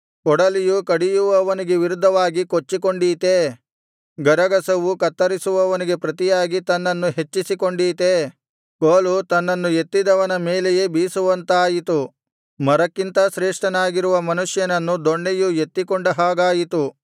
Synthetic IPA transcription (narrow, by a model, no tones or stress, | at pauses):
kɔɽɐlijukɐɽijuʋɐʋɐniɡe̞ʋiɾud̪ʱːɐʋaːɡikot͡ʃːikoɳɖiːt̪e̞ | ɡɐɾɐɡɐsɐʋukɐt̪ːɐɾisuʋɐʋɐniɡe̞pɾɐt̪ijaːɡit̪ɐnːɐnːuɦe̞t͡ʃːisikoɳɖiːt̪e | koːlut̪ɐnːɐnːujet̪ːid̪ɐʋɐnɐmeːleje̞biːsuʋɐnt̪aːjit̪u | mɐɾɐkːint̪ɐʃɾeːʂʈɐnaːɡiɾuʋɐmɐnuʂjɐnɐnːud̪oɳːejuje̞t̪ːikɔɳɖɐɦaːɡaːjit̪u